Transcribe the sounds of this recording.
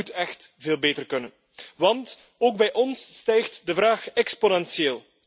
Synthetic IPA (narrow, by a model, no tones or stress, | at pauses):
utɛxtveːlˠbeːtərkɵnən | ʋɑnt | oːɡ̚bɛjʔɔnsːtɛjxtdəvraːxɛksponɛnsjeːlˠ